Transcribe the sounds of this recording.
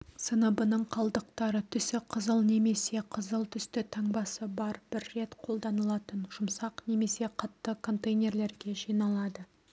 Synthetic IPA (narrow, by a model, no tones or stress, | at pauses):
sənəbənəɴqʰɑlˠd̪əq̚t̪ɑɾət̪ʰʏsɪqʰəzəlˠne̞me̞se̞qʰəzəlˠt̪ʰʏst̪ɪt̪ʰɑɴbɑsəbɑɾb̥ɪɾːe̞t̪qʰo̞lˠd̪ɑnəlˠɑt̪ənʒʊmsɑqne̞me̞se̞qʰɑt̪ːəkʰo̞nt̪ejnʲe̞ɾle̞ɾɡʲe̞ʒijnɑlˠɑd̪ə